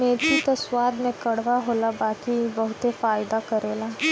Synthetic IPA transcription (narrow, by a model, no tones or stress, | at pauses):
meːd͡ʒit̪ɐswaːd̪mẽkɐɽ̤ʋaɦoːlabaːkibɐɦʊt̪efaːjd̪akɐɾeːlaː